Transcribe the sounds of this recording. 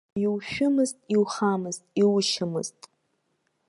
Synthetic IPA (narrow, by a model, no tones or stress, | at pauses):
jiwʃᶣʊmɨztʼiwχamɨztʼiwʃɪmɨ̰ztʼ